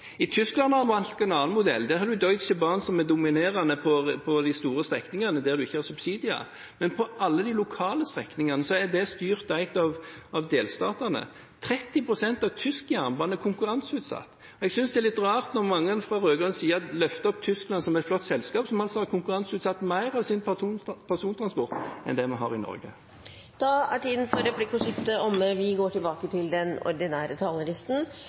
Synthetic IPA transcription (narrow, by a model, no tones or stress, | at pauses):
ɪt̪ʰʏsklɑnhɑnʋɑnt̪ɛɪnɑːnmʊd̪ɛ̰lːd̪æɾhɑɾd̪ʉd̪ɔʏt̪səbɑnsɔmæd̪ʊmɪneːɾɑnəpʰɔpʰɔd̪ɪst̪uːɾəst̪ɾɛknɪŋɑnəd̪æʁd̪ʉɪçːəhɑʁsʉbsiːd̪ɪɑ̰ | mɛnpʰɔʔɑlːəd̪ilʊkʰɑːləst̪ʁɛknɪŋɑnəsɔæd̪ɛst̪yːʁt̪æɪɡt̪ɑʋɑʋd̪eːlst̪ɑːt̪ənə̰ | t̪ʰɾɛt̪ːɪpʰɾʊsɛnt̪ɑʋt̪ʰʏskjæʁnbɑnɛɾkʰʊŋkʉʁɑnsʉːt̪sɑ̰t̪ː | ɔɛɡsʏnsd̪ɛælɪt̪ːəʁɑːlt̪nɔʁmɑŋːəɛnfʁɑɾøːɡʁœnsiːəɑlœft̪əɔp̚t̪ʰʏsklɑnsɔmæɛɪt̪flɔt̪ːsɛlskɑːpsɔmɑlsɔhɑɾkʰʊŋkʉɾɑnsʉːt̪sɑt̪ːmæɪʁɑʋsɪnpʰæʁsuːnt̪ʰɾɑnspɔʁt̪ɛ̰nd̪ɛmɑnɦɑ̰ːʁɪnɔ̰ɾɡə̰ | t̪ʰɑːæʈiːd̪nfɔɾɛblɪkːɔsʏkt̪əɔmːəʋɪɡoːʈɪlbɑːkət̪ʰɪld̪ɛnɔ̰ɾd̪ɪnæːɾət̪ʰɑːləlɪst̪n̩